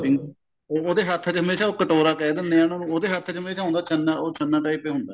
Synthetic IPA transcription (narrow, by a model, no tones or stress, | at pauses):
ɪŋɡ | oːoːd̪eːɦət̪ʰət͡ʃɦəmeːʃaːoːkəʈoːɾaːkɛːd̪ənːeːaːnõːoːd̪eːɦat̪ʰːt͡ʃɦəmeːʃaːɦʊ̃nd̪aːt͡ʃʰənːaːʔoːt͡ʃʰənːaːʈaːiːpeːɦʊnd̪aː